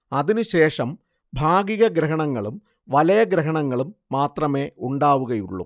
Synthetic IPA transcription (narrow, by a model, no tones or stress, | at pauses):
ɐðinuɕe̞ːʂɐm | bʱaːɡiɣɐɡɾɐɦɐɳɐŋːɐɭum | ʋɐlɐjɐɡɾɐɦɐɳɐŋːɐɭumːaːt̪rɐme̞ːuɳɖaːʋuɣɐjuɭːṵ